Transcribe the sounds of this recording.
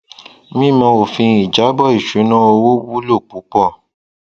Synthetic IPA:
mĩ˦˨mã˧o˨fĩ˧i˨d͡ʒa˨˦bɔ˦˨i˦˨ʃu˨˦nã˦o˧wo˦wu˦lo˦˨k͡pu˨˦k͡pɔ˦˨

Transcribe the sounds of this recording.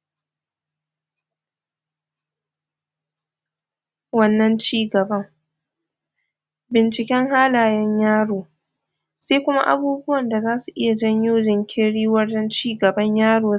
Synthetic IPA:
wɐ˦nːɐ˦nt͡ʃiː˦ɡɐ˨bɐ˦ŋ | bɪ˨nt͡ʃɪ˨kʲɛ˦ŋhaː˦laː˨jɛ˦ɲjaː˦ɽoː˨ | seː˦kʷʊ˦ma̰˦ʔa̰˦buː˦bʊ˦wɐ˨nda˨zaː˦su˨ʔɪ˦ja˨d͡ʒɐ˦ɲjoː˦d͡ʒɪ˨ŋkʲʰeː˦ɽiː˦wɐ˦rd͡ʒɐ˦nt͡ʃiː˦ɡɐ˨bɐ˦ɲjaː˦ɽoː˨

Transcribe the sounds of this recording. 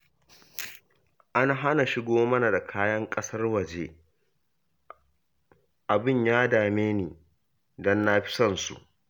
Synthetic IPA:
ʔa˦na˨ɦa˦na˨ʃɪ˦ɡoː˦mɐ˦na˨da˨kʰaː˦jɐ˦ŋkʼɐ˦sɐ˦rwɐ˨d͡ʒeː˦ | ʔa˨bɪ˦˨ɲjaː˦daː˨meː˦niː˨ | dɔ˦nːa˦ɸɪ̥˦sɐ˨nsṵ˨ʔ

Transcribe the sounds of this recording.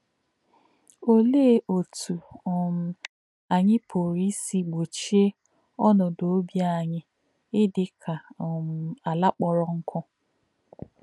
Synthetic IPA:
o˦le˦ʔo˨tʰu˨m̩˨ | a˨ɲɪ˦pʰo˨ɾi˦si˦ɡ͡bo˨t͡ʃi˦e˦ | ɔ˦nɔ˨do˨o˦bja˦˨ɲɪ˦ | ɪ˦dɪ˦kʰa˨m̩˨a˨la˦k͡pɔ˦˨ɾɔ˦ŋ̩˦kʰɔ˦

